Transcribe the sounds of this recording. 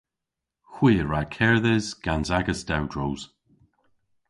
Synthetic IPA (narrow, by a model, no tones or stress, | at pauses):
xw̥iːəɹakʰɛɹðɛzɡ̥anzaɡəsd̥awdɹowz̥